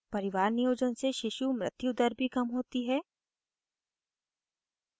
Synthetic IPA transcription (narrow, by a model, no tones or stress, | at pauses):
pɐɾɪʋaːɾnijoːd͡ʒənseʃɪʃumɾɪt̪jud̪əɾbʱikɐmɦoːt̪iɦɛː